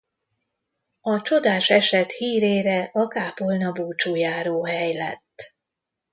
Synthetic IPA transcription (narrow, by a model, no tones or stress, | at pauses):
ɒt͡ʃo̞d̪aːʃɛʃɛt̪hiːɾeːɾɛʔɒkaːpolnɒbuːt͡ʃuːjaːɾoːɦɛjlɛ̰t̪ː